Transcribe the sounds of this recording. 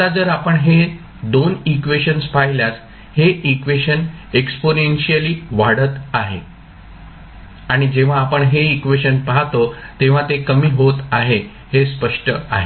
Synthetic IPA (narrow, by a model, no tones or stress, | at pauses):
t̪ad͡zəɾapəɳɦe | d̪onikʋeɕənspaɦjljas | heʔikʋeɕəneksponenɕiəliːʋaɽət̪aɦḛ | aɽ̃id͡ʑeʋ̤aːpəɳɦeikʋeɕənpaɦt̪ot̪eʋ̤ãt̪ekəmiːɦot̪aɦe | hespəʂʈəa̰ɦe